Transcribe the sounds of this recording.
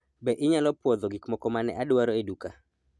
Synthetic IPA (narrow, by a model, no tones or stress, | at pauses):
bɛʔɪɲalɔpwɔd̪ɔɡikmɔkɔmanɛ̰ʔadwaɾɔeduka